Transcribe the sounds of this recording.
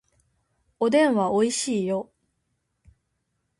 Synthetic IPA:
od̪ẽ̞ɰ̃βaoiɕiːjo

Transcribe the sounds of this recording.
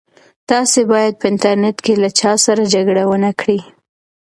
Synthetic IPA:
t̪ɑsebɑjad̪̚pəɪnt̪aɾneʈkelat͡ʃɑsaɾad͡ʒaɡɽawənakɽi

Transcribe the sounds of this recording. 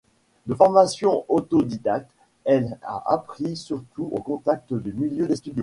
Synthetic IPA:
d̪əfɔʁmasjɔ̃ot̪od̪id̪ak̚t̪ | ɛla̰ʔa̰pχisyʁt̪uʔokɔ̃t̪ak̚t̪əd̪ymiljød̪est̪yd̪jo

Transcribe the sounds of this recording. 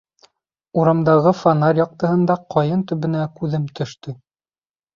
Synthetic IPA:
uɾɑmd̪ɑʁɤfanaɾʲjɑq̚t̪ɤ̆ɦɤ̆nd̪ɑqʰɑjɤnt̪ɵ̆βɘ̆nækʉðɘmt̪ʰɵ̆ʃt̪ɵ

